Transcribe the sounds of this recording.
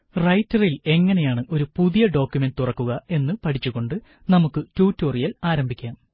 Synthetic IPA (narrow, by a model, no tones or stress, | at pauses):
rɐjtːɐrile̞ŋːɐne̞jaːɳɨʔo̞ɾupuðijɐɖo̞ːkjume̞nd̪ɨt̪urɐkːuɣɐe̞nːɨpɐʈʰit͡ɕːuɣo̞ɳɖɨ | nɐmukːɨtuːtːoːrijɐlaːɾɐmbʱikʲːaːm